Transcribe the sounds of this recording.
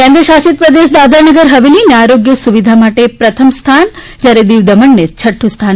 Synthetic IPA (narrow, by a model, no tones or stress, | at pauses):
kẽnd̪ɾəʃasit̪̚pɾɐd̪eʃ̬d̪ad̪anəɡəɾɦɐʋilineaɾoɡjəsuʋid̪ʱamaʈepɾɐt̪ʰəmst̪ʰan | d͡ʒjaɾed̪iʋd̪ɐməɳːet͡ʃʰɐʈʰːust̪ʰan